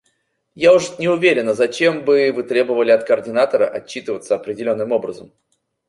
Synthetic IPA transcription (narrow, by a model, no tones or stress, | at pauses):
jaʊʂnʲɪʊvʲeɾʲɪnəzɐt͡ɕembɨvɨt̪ɾʲe̞bəvəlʲɪɐt̪kərdʲɪnat̪əɾəʔɐt͡ɕːit̪ɨvət̪səɐpɾʲɪdʲɪlʲo̞nːɨmo̞bɾəzəm